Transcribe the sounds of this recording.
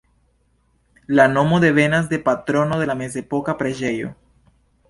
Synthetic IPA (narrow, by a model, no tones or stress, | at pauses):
lanomoðe̞βenazðe̞pat̪ɾonoðelamez̬epokapɾeʒejo̰